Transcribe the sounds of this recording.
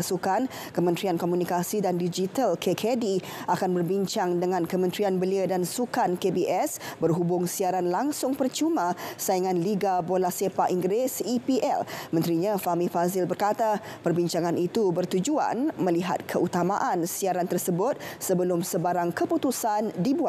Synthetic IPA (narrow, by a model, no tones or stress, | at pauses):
sukan | kəmənt̪ɾiankomunikasidandid͡ʒit̪alkʰekʰedi | akanbərbiɲt͡ʃaŋdəŋãnkəmə̃nt̪ɾianbəliədansukankebiʔɛsbərɦubʊŋsiaɾanlaŋsʊŋpərt͡ʃumãsaiŋanliɡabolasepaʔiŋɡɾɪsipiʔɛ̰lmənt̪ɾiɲãfamifazɪlbərkat̪a | pərbiɲt͡ʃaŋanʔit̪ubərt̪ud͡ʒua̰nmə̃liɦa̰t̪̚kʰəʔut̪amaʔansiaɾant̪ərsəbʊt̪̚səbəlʊmsəbaɾaŋkəput̪usandibua